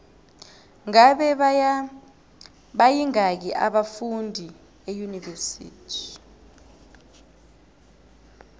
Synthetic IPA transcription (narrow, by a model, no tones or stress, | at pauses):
ŋaɓɛ | ɓajiŋak̬iʔa̰ɓafundʱi | ejunivɛsḭːtʰi̥